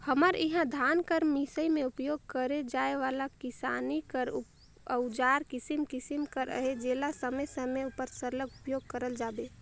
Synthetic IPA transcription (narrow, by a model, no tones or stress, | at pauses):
həməɾɪɦãd̪ʱaːnkəɾmisəimẽʊpjoːɡ̚kəɾed͡ʒaːeʋaːlakɪsaːnikəɾu | əd͡ʒaːɾkɪsimkɪsimkəɾə̰ɦed͡ʒeːlasəməjsəmeupəɾsəɾləɡʊpjoːɡ̚kəɾəld͡ʒaːbe